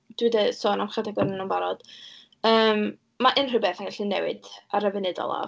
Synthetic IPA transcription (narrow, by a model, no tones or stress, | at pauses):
d̥wɪdəsoːnamχadɛɡɔɾnənumbaɾɔd̥ | əːm | maʔɪnrɨbɛθaŋɡaɬinɛwɪ̰d̥aɾəvɛnɨdɔ̰lˠa̰